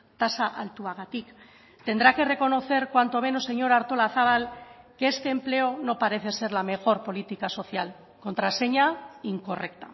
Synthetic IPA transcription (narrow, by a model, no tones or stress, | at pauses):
t̪asaʔalt̪uaɣ̞at̪ik | t̪e̞nd̪ɾake̞re̞ko̞no̞θe̞ɾkwant̪o̞me̞no̞sːe̞ɲo̞ɾaɾt̪o̞laθaβ̞al | keest̪e̞ːmple̞ono̞paɾe̞θe̞se̞ɾlame̞xo̞ɾpo̞lit̪ikaso̞θjal | ko̞nt̪ɾase̞ɲaiŋko̞re̞kt̪a